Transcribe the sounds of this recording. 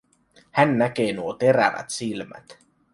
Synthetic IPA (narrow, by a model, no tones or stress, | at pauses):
hænːæk̟eːnuot̪e̞ɾæ̰ʋæ̰t̪silmæ̰t̪